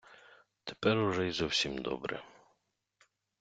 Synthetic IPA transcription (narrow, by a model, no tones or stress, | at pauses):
t̪ɛ̥pɛɾuʐɛjzɔwsʲimd̪ɔ̰bɾɛ̰